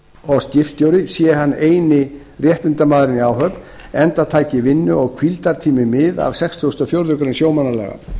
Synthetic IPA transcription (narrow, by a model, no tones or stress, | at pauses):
ɔɣscɪft̪jowɾɪsjɛɦanːeːjnɪ | rjɛht̪ʏnt̪amaːðɾɪniawɦœpn | ɛnt̪at̪ʰaːjcɪvɪnːʏɔɣkʰvilt̪aɾ̥t̪ʰiːmɪmɪða̰vsɛkst̪uɣʏst̪ɔfjowɾðʏkɾensjoːwmanːaɾlɛ̰ːɣa̰